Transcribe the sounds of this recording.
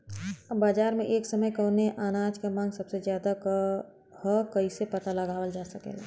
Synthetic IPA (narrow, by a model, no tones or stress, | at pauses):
baːd͡ʒaːɾmẽʔeːksəməjkəneʔaːnaːd͡ʒkamãːŋɡsɐbsezjaːd̪ak | həkəisepət̪aləɡaːwəld͡ʒaːsəkḛːɡa